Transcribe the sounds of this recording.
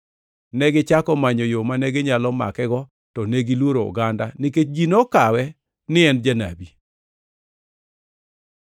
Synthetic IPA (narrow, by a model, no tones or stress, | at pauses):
nɛɡɪt͡ʃakɔmaɲojomanɛɡɪɲalɔma̰kɛɡɔ | tɔneɡilwoɾoʊ̰ɡandanɪket͡ʃd͡ʒinɔkawɛ | nɪɛnd͡ʒana̰bi